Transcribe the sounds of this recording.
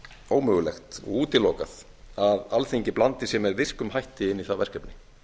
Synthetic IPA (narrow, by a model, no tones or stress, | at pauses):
oːwmʏːɣʏlɛ̰xt̪ɔ̰ɣuːt̪ɪloːkaθ | aðalθeɲcɪplant̪ɪsɛmɛɾðɪr̥skʏmhajht̪ɪɪnːiθavɛr̥cɛpnɪ